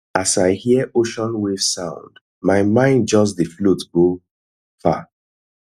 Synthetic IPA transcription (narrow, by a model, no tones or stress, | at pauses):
asaɪhiəʔoʃɔ̃nwefsãʊ̃nd | maɪmãɪ̃nd͡ʒɔs̬ðəflutɡo | fa̰